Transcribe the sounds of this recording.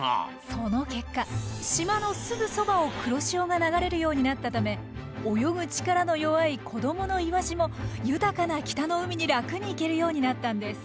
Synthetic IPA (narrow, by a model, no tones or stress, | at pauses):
so̞no̞ke̞kːaɕimano̞sɨɡɯ̟so̞bao̞kɯ̟ɾo̞ɕio̞ːɡanaɡaɾe̞ɾɯ̟jo̞ːɲ̟inat̪ːat̪ame̞ | ojo̞ɡɯ̟t͡ɕi̥kaɾano̞jo̞βaikʰo̞d̪o̞mo̞no̞iβaɕimo̞jɯ̟t̪akanakʲi̥t̪ano̞ɯ̟mʲiɲ̟iɾakɯ̟ɲ̟iːke̞ɾɯ̟jo̞ːɲ̟inat̪ːãnd̪e̞sɨ̥